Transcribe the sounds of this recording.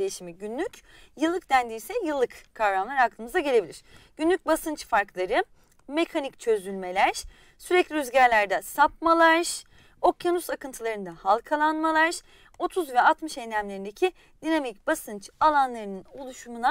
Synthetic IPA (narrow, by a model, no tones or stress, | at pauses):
ejiʃimiɟynlʲyc | jɯlˠːɯk̚d̪ænd̪iːsɛjɯlˠːɯkkʰːavɾamlˠaɾhaklˠɯmɯzaɟe̞lʲe̞bilʲiɾ̥ɟ̥ynlʲyc̚basɯnt͡ʃfaɾklˠaɾɯ | me̞kʰanic̚t͡ʃʰø̞zylʲme̞lʲæɾ̥ | syɾɛclʲiyzɟæɾlʲæɾd̪ɛsap̚malˠaɾʒ | o̞kjanusakɯnt̪ʰɯlˠaɾɯnd̪ahalˠkʰalˠanmalˠaɾʒ | o̞t̪ʰuzvɛat̪mɯʃennʲæmlʲe̞ɾind̪ecʰi | d̪̥inamicb̥asɯnt͡ʃalˠanlˠaɾɯnɯnolˠuʃumuna